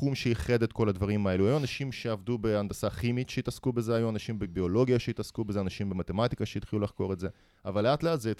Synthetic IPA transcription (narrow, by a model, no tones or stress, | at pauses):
umʃeiχe̞det̪ko̞ladvaʁimae̞luajuanaʃimʃe̞avdube̞andasaχimitʃeitaskube̞zeajuanaʃimbebio̞lo̞ɡiaʃeitaskubezeanaʃimbe̞mat̪e̞matikaʃeidχilulaχko̞ʁetze̞ | avalːeatleatzet